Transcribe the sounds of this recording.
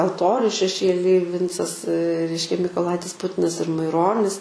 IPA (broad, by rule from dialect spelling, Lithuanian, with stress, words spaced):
ɐlˠˈtoːrʲʊ ʃʲɛˈʃʲeːlʲɪj ˈʋʲɪnt͡sɐs ˈrʲɛɪʃʲkʲɛ mʲiːkoːˈlˠɐɪtʲɪs ˈpʊtʲɪnɐs ɪr mɐɪˈroːnʲɪs